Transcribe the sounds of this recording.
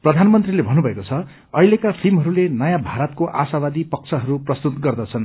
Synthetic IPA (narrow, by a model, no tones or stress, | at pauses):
prʌd̪ʱanmʌnt̪rilebʱʌnubʱʌekot͡sʰʌ | ʌilekapʰilmɦʌɾulenʌjãbʱaɾʌt̪̚koʔasabad̪ipʌk̚t͡sʰʌɦʌɾuprʌst̪ut̪ɡʌrd̪ʌt͡sʰʌn